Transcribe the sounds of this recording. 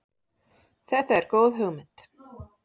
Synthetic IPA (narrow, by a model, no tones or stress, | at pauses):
θɛht̪aɛɾkoːwðɦœɣmɪn̥t̪